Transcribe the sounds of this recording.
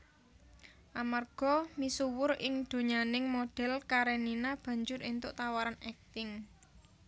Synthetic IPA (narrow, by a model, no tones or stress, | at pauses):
ʔamarɡ̥ɔ̤misuwʊrɪŋd̪̥o̤ɲanɪŋmoɖ̥ɛ̤lkaɾeninab̥ä̤ɲd͡ʒʊɾint̪ʊʔt̪awaɾanɛk̚t̪ɪŋ